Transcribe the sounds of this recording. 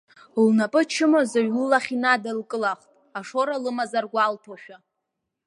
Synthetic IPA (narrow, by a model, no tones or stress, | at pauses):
lnapʼɨt͡ʃʰɪmozaɥlɨlaχʲinadalkʼɨlaχtʼaʂoɾalɨmazarɡʷaltʰoʃᶣa